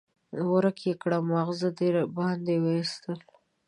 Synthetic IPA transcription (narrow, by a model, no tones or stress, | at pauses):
wəɾakjekɽamaɣzad̪eɾbɑhnd̪ewəist̪əl